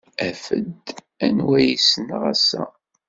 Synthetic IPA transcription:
æfə̰d̪ | ænwæjisənəʁæsːæ̰

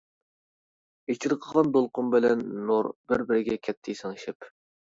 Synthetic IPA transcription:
et͡ʃʰiɾəqʰəʁɑnd̪olˠqʊmbɪlɛnːuɾbɪɾbɪɾɪɡʲɛkʲʰɛt̪ʰːɪisɨŋiʃɪp

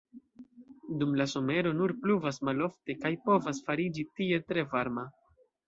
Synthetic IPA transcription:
dumlaso̞me̞ɾo̞nuɾpluvasmalo̞fte̞kajpo̞vasfaɾid͡ʒitie̞tɾe̞vaɾma

